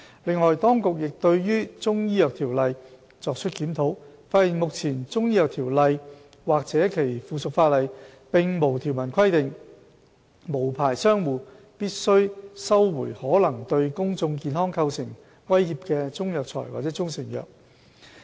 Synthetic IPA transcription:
lɪ˨ŋːɔː˨jt̪ɔː˥ŋkʊ˨k̚jɪ˨k̚t̪ɵ˧ɥjyː˥t͡sʊ˥ŋjiː˥jœː˨k̚t̪ʰiː˨˩wlɐ˨˧j | t͡sɔː˨˧k̚t͡ʃʰɵ˥t̚kiː˨˥mt̪ʰo˨˧˥wfaː˧t̚hiː˨˩nmʊ˨k̚t͡sʰiː˨˩nt͡sʊ˥ŋjiː˥jœː˨˩k̚t̪ʰiː˨˩wlɐ˨j | waː˨k̚t͡sɛː˨˥kʰe˨˩jfuː˨sʊ˨k̚faː˧t̚lɐ˨jpɪ˨ŋmo˨˩wt̪ʰi˨˩wmɐ˨˩nkʰɐ˥jt̪ɪ˨ŋ | mo˨˩wpʰaː˨˩jsœː˥ŋwuː˨˩ | piː˥t̚sɵ˥ɥsɐ˥wwṵː˨˩jhɔː˨˥lɐ˨˩ŋt̪ɵ˧ɥkʊ˥ŋt͡sʊ˧ŋkiː˨˧nhɔː˥ŋkʰɐ˧wsɪ˨˩ŋ | wɐ˥jhiː˨˧p̚kɛ˧t͡sʊ˥ŋjœː˨k̚t͡sʰɔ̰ː˨˩jwa̰˨t͡sɛː˨˦˥t͡sʊ˥ŋsɪ˨˩ŋjœ̰ː˨k̚

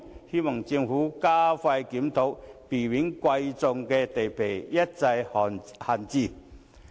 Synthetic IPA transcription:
hi˥mɐ˨˩ŋt͡si˧ə˧ŋfuː˨˥kaː˥fɐ˧jkiː˨˥mt̪ʰo˨˥wpiː˨˩wi˨˥nkwɐ˧jt͡sʊ˧ŋkɛ˧t̪e˨˩jpʰe˨˩jjɐ˥t̚t͡sɐ˧jha˨˩nt͡siː˧

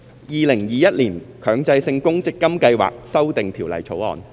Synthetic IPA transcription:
jiː˨˧lɪ˨˩ŋjiː˨jɐ˥t̚liː˨˩nkʰœː˨˧ŋt͡sɐ˧jsɪ˧ŋkʊ˥ŋt͡sɪ˥kːɐ˥mkɐ˧jwa̰ː˨k̚sɐ˥wt̪ɪ˨ŋt̪ʰiː˨˩wlɐ̰˨˩jt͡sʰo˨˥wɔ̰ː˨˩n

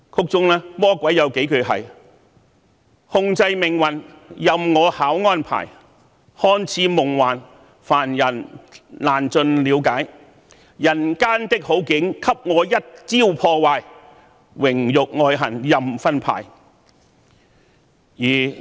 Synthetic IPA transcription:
kʰʊ˧k̚t͡sʊ˧ŋlɛː˥mɔː˥kʷɐ˨˥jɐ˨˧wke˨˥jkɵ˨˧ɥɦɐ̰˨˩j | hʊ˧ŋt͡sɐ˧jmɪ˨˩ŋwɐ˨˩n | jɐ˨mŋɔː˨˧haː˨˥wŋɔː˥npʰa̰ː˨˩j | hɔː˥nt͡sʰiː˨˥mʊ˨˩ŋwaː˨˩n | faː˨˩njɐ˨˩nlaː˨˩nt͡sɵ˧nliː˨˧wkaː˨˥j | jɐ˨˩nkaː˥nt̪ɪ˥k̚ho˨˥wkɪ˨˧˥ŋkʰɐ˥p̚ŋɔː˨˧jɐ˥t̚t͡siː˥wpʰɔː˧waː˧j | wɪ˨˩ŋjʊ˨k̚ŋɔː˧jɦɐ˨˩njɐ˨mfɐ˥npʰa̰ː˨˩j | jiː˨˩

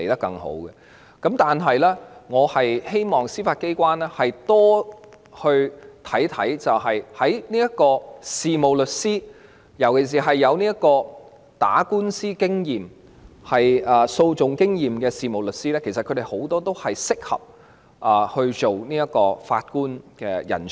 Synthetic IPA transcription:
le˨˩jt̪ɐ˥kːɐ˧ŋho̰˨˥wɡɛ˧ | kɐ˨˥mt̪aː˨nɦɐ˨jlɛː˥ŋɔː˨˧hɐ˨jhe˥jmɔː˨˩ŋsiː˥faː˧t̚ke˥jkʷwaː˥nɛː˥hɐ˨jt̪ɔː˥ | hɵ˧ɥt̪ʰɐ˨˥jt̪ʰɐ˨˥jt͡sɐ˨wɦɐ˨jhɐ˨˥jniː˥jɐ˥t̚kɔː˧siː˨mo˨wlɵ˨t̚siː˥ | jɐ˨˩wkʰe˨˩s̬iː˨˩ɦɐ˨jːɐ˨˧wniː˥jɐ˥t̚kɔː˧ | t̪a̰ː˨˥kuː˥nsiː˥kɪ˥ŋjiː˨m | hɐ˨jɐː˨so˧wt͡sʊ˨ŋkɪ˥ŋjiː˨mkɛː˧siː˨˧mo˨wlɵ˨t̚siː˥lɛː˥kʰs̬ɐt̚kʰɵ˨˧ɾe˨jho˨˥wt̪ɔː˥t̪o˥whɐ˨jsɪ˥k̚hɐ̰˨p̚ | ʔɐː˨˩hɵ˧ɥt͡ʃo˨wniː˥jɐ˥t̚kɔː˧fa̰ː˧t̚kuː˥nkɛː˧jɐ̰˨˩nt͡sʰ

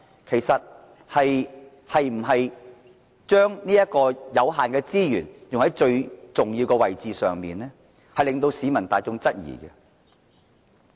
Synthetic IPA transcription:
kʰe˨˩jsɐ˨t̚ | hɐ˨j | hɐ˨jm̩˨˩ɦɐ˨j | t͡ʃœː˥ŋniː˥jɐ˥t̚kɔː˧jɐ˨˧wɦaː˨nkɛː˧t͡siː˥jyː˨˩njʊ˨ŋhɐ˨˥jt͡ʃɵ˧ɥt͡sʊ˨ŋjiː˧wkɛ˧wɐ˨jt͡siː˨˧sœː˨ŋmiː˨nlɛː˥ | hɐ˨jlɪ˨ŋt̪o˧wsiː˨˥mɐ˨˩nt̪aː˨˧jt͡sʊ˥ŋt͡sɐ˥t̚jḭː˨˩kɛ˧

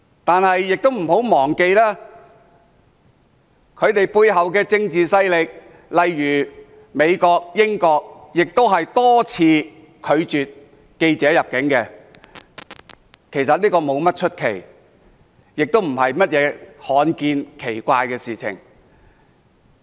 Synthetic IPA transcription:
t̪aː˨nhɐ˨jːɪ˨k̚t̪o˥wm̩˨˩ho˨˥wmɔː˨˩ŋke˧jlɛː˥ | kʰɵ˨˧ɥt̪e˨jpuː˧jɦɐ˨wkɛː˧t͡sɪ˧ŋt͡siː˨sɐ˥jlɪ˨k̚ | lɐ˨jɥyː˨˩ | me˨˧jkɔː˧k̚jɪ˥ŋkɔː˧k̚jɪ˨k̚t̪o˥wɦɐ˨jt̪ɔː˥t͡sʰiː˧ | kʰɵ˨˧ɥt͡ʃyː˨t̚ | ke˧jt͡sɛː˨˥jɐ˨p̚kɪ˨˥ŋkɛː˧ | kʰe˨˩jsɐ˨t̚liː˥kɔː˧mo˨˧wmɐ˥t̚t͡ʃʰɵ˥t̚kʰe˨˩j | jɪ˨k̚t̪o˥wm̩˨˩hɐ˨jmɐ˥t̚jɛː˨˧˥hɔː˨˥nkiː˧nkʰe˨˩jkʷaː˧jkɛː˧siː˨t͡sʰɪ̰˨˩ŋ

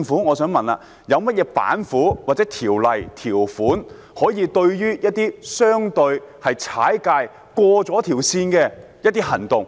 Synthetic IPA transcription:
ŋfuː˨˥ŋɔː˨˧sœː˨˥ŋmɐ˨na̰ː˧ | jɐ˨˧wmɐ˥t̚jɛː˨˧pa̰ː˨˥nfuː˨˥waː˨˩t͡sɛː˨˥t̪ʰiː˨˩wlɐ˨˩jt̪ʰiː˨˩wfuː˨˥n | hɔː˨˥jiː˨˧t̪ɵ˧ɥjyː˥jɐ˥t̚t̪iː˥sœː˥ŋt̪ɵ˧ɥhɐ˨jt͡sʰa̰ː˨˥jkaː˧j | kwɔː˧t͡sɔː˨˥t̪ʰiː˨˩wsiː˧nkɛː˧ | jɐt̪̚ːiː˥hɐ˨˩nt̪ʊ˨˩ŋ

